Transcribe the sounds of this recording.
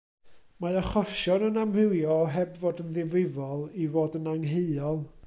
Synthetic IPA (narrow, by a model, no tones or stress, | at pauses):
maaχɔʃɔnənamrɪwjɔɦɛbvoːdənðɪvɾɪvɔlˠivoːdənaŋɦeɨɔlˠ